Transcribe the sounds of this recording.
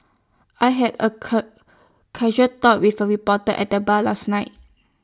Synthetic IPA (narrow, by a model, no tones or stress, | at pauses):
ʔaɪɦɛdə̰ | kʰɛʒətɔt̚wifəɹipɔtəʔɛ̰t̚dəbalasnaɪt̚